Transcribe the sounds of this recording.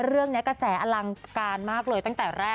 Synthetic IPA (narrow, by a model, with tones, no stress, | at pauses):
ɾɯ˥˩əŋni˦˥ka˧sɛː˩˦ʔa˧la˧ŋkaː˧nmaː˥˩k̚lɤː˧j̪a˥˩ŋt̪ɛː˨˩ɾɛː˥˩